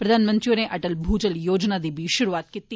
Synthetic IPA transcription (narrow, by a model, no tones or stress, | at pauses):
pɾɐd̪ʱaːnmɐnt̪ɾijoneʔɐʈəlbʱuːd͡ʒəljoːd͡ʒnad̪ibʱiʃʊɾuaːt̪̚kit̪ːi